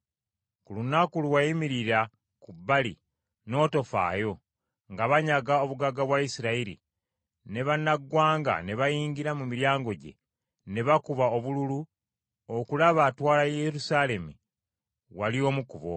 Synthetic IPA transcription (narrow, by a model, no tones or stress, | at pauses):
kulunakuluwajimiɾiɾa | kubːalḭ | no̞ːto̞fa̰ːjo̞ | ŋɡaβaɲaɡao̞βuɡaɡaβwaisiɾaiɾḭ | ne̞βanːaɡːwaːŋɡa̰ne̞βajiːɲɟiɾamumiɾjaːŋɡo̞ɟe̞̰ | ne̞βakuβao̞βululu | okulaβaːtwaːlajeɾusale̞mi | walio̞ːmukuβo̞̰